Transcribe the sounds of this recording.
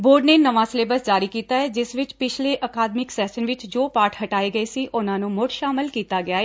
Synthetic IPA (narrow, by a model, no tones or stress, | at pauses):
boːɾɖnenɐʋãːsleːbəsd͡ʒaːɾikiːt̪aɦɛːd͡ʒɪsʋɪt͡ʃpɪt͡ʃʰleʔəkaːd̪mɪksɛːʃənʋɪt͡ʃd͡ʒoːpaːɾʈʰɦɐʈaːeɡɐesiːʔʊnãːnũmʊʈʃaːmɪlkiːt̪aɡɪaːɦɛː